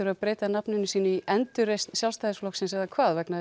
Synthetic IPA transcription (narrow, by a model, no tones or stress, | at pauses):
ʏɾaðpɾeːjt̪anapnʏnʏsiːnʏiʔɛnt̪ʏɾrejst̪n̥sjalst̪ajðɪsflɔhksɛnsɛɣðakʰvaːðvɛkna